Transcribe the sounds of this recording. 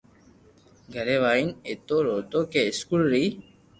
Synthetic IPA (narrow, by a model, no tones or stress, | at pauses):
ɡʱəɾeːʋaːinet̪oːɾoːt̪oːkeɪskulɾiː